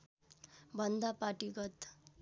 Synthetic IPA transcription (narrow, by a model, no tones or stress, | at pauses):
bʱʌnd̪apaʈiɡʌt̪